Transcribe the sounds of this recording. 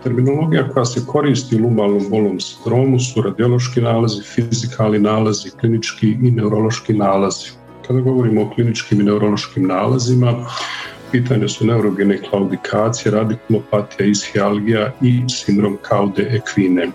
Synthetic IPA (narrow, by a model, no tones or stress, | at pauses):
t̪e̞ɾmino̞lo̞ɡijako̞jase̞kʰo̞ɾiːst̪iulubalnombo̞lo̞ːmsi̥nd̪ɾo̞ːmusuɾad̪iolˠo̞ʃkinaːlazifizikʰaːlˠninaːlaziklinit͡ʃkiine̞uɾo̞lˠo̞ʃkinaːlaz̥i | kad̪aɡo̞ʋo̞ɾiːmo̞ːklinit͡ʃkiːmine̞uɾo̞lˠo̞ʃkiːmnaːlazima | piːt̪aːɲe̞sune̞uɾoɡeneklˠaud̪ikʰaːt̪sijeɾad̪iklo̞pat̪ijaisxialɡijaisind̪ɾo̞ːmkʰaud̪e̞ʔekʰʋine̞